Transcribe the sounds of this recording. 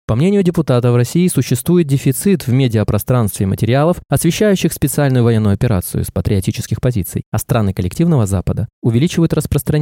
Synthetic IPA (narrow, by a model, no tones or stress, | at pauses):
pɐmnʲenʲɪjʊdʲɪpʊt̪at̪əvrɐsʲijːɪsʊɕːɪst̪vujɪt̪̚dʲɪfʲɪt̪sɨt̪vʲmʲedʲɪəpɾɐst̪ɾanst̪vʲɪmətʲɪɾʲɪalˠəfɐsvʲɪɕːæjʉɕːɪxspʲɪt̪sɨalʲnʊjʊvɐjenːʊjʊɐpʲɪɾa̰t̪sɨ̰jʊ̰spət̪ɾʲɪɐtʲit͡ɕɪ̥skʲɪxpɐzʲit̪sɨ̰jɐst̪ɾanɨkəlʲɪktʲivnəvəza̰pəd̪əʊvʲɪlʲit͡ɕɪvəjʊt̪rəspɾəst̪ɾɐ